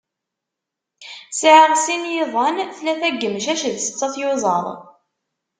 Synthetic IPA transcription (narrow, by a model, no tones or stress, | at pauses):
sʕəʁsinjɪðˤɑnθlæθæɡːəmʃæʃəðsə̥t͡sːɑθjozˤɑ̰ðˤ